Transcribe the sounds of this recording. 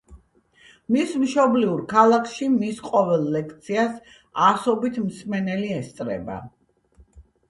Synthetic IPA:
mismʃɔbliuɾkʰalˠakʰʃimisqʼɔvɛlˠːɛkʰt̪sʰias | asɔbit̪ʰmsmɛnɛliɛst̪sʼɾɛ̰ba̰

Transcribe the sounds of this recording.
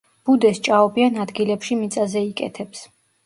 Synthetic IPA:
b̥ud̪ɛst͡ʃʼaɔbianad̪ɡilɛpʃimit̪sʼazɛikʼɛ̰t̪ʰɛps

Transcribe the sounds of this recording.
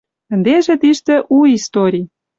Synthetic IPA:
t̪ɘ̆nd̪eʒĕt̪iʃt̪ĕʔuist̪oɾʲij

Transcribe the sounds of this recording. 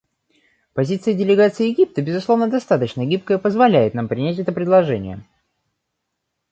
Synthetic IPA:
pɐzʲit̪sɨjədʲɪlʲɪɡat̪sɨɪjɪɡʲip̚t̪əbʲɪzʊslˠo̞vnəd̪ɐst̪at̪ət͡ɕnəɡʲip̚kəjəpəzvɐlʲæjɪt̪nampɾʲɪnʲæt̬ʲɛt̪əpɾʲɪd̪lˠɐʐɛnʲɪ̰jə̰

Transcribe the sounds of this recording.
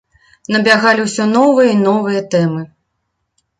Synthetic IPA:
nɐbʲaɣalʲiwsʲɔnɔvɨjɐinɔvɨjɐt̪ɛmɨ

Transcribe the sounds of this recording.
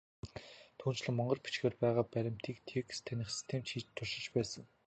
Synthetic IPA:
t̪ʰuːn̥t͡ɕɮɘ̆ŋmɔɴɢɞ̆rpi̥t͡ɕɡeːrpæːʁaːpæɾʲɪ̆m̥t̪ʰiːkt̪ʰekst̪ʰenʲɪ̆χsi̥st̪ʰeːmt̪ʃiːt͡ɕt̪ʰːʊʃɪ̆t͡ɕpæːsə̆ŋ

